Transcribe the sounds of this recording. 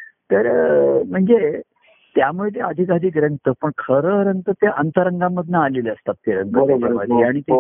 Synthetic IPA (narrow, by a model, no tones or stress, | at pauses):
t̪əɾm̤əɳd͡ze | t̪jamuɭeleəd̪ʱikad̪ʱiːkɾəŋɡt̪əpəɳkʰəɾəɾəŋɡt̪ət̪eʔənt̪əɾəŋɡamːəd̪ʱnaːleleəst̪at̪ːeɾəŋɡəteəməd̪iaɽ̃it̪e